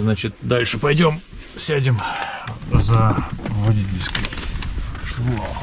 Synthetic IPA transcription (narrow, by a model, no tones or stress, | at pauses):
znat͡ɕɪt̪̚d̪alʲʂɨpɐjdʲo̞msʲædʲɪm | zɐvɐdʲit̪ʲnʲisʲkʲi | ʂ